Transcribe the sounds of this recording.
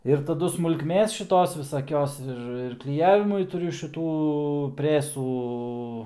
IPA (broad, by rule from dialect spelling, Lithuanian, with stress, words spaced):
ɪr tɐˈdʊ smʊlˠkˈmʲeːs ʃʲɪˈtoːs ʋʲɪsɐˈkʲoːs ˈɪr ɪr klʲɪˈjæːʋʲɪmʊɪ tʊˈrʲʊ ʃʲɪˈtuː ˈpʲrʲæːsuː